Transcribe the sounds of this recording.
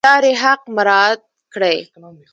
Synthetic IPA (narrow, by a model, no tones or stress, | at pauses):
ɑɾeɦaq̚maɾɑd̪̚kɽəj